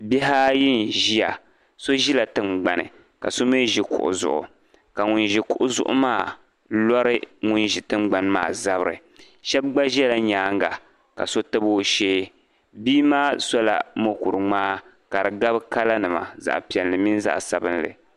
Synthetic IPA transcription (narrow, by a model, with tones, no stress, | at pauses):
bɛ˦ɦa˦ji˦n˨ʒi˦ja˨ | so˦ʒi˦la˨tɨ˦mɡ͡ba˨nɨ̰˨ | ka̰˨so˦me˦ʒi˦kʊ̰˨ʔʊ̰˨zʊ̰˨ʔʊ̰˨ | ka˨ŋu˨nʒi˨kʊ˨ʔʊ˦zʊ̰˦ʔʊ̰˦maː˦˨ | lɔ˦ɾɨ˦ŋu˦nʒi˨tɨ˦ŋ͡mɡ͡ba˨nma̰ː˦˨za˦bɨ˦ɾɨ̰˨ | ʃɛ˦b̚ɡ͡ba˦ʒɛ˦la˨ɲaː˨˦ŋ˦ɡa˨ | ka̰˨so˦tɨ˦bo˦ʃeː˦ | biː˦maː˦sɔ˦la̰˨mo˦ku˨ɾɨ˨ŋ͡maː˦ | ka˨ɾɨ˨ɡa˦bɨ˦ka˦la˦nɨ˨ma̰˨za̰˨ʔpi˨ɛ˨lːɨ˨mi˦n˦za̰˦ʔsa˨bɨ˦nlɨ̰˨